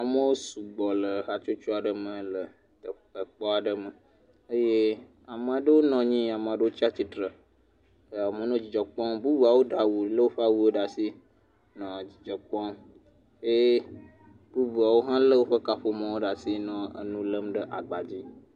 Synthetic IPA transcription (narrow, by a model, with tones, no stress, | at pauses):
a˨mə̃˦wo˦su˨ɡ͡bɔ˨lə˨ɦa˨t͡ʃo˦t͡ʃu˦a˨ɖə˨mə̃˨lə˨ | t̪ə˨ | ə˨k͡pɔ˦a˨ɖə˦mə˨ | ə˦je˦ | a˨mə̃˨ɖə˦wo˦nɔ̃˨ɲĩ˦a˨m˨a˨ɖə˦wo˦t͡ɕi˦a˦t͡ɕi˨t̪ɾə˨ | ə˨mə̃˨nɔ̃˦d͡ʑi˨d͡ʒɔ˨k͡pɔ̃˦mbu˦bu˨a˨wo˦ɖa˨wu˨lə˦wo˦ɸə˦a˦wu˦wo˦ɖa˨si˦ | nɔ̃˨d͡ʑi˨d͡ʒɔ˨k͡pɔ̃˦m | je˦ | b̥u˦bu˨a˨wo˦ɦã˦lə˦wo˦ɸə˦ka˨ɸo˦mə̃˦wo˦ɖa˨si˦nɔ̃˨ə̰˨nũ˦lə˦mɖə˦ʔa˨ɡ͡ba˨d͡ʑi˦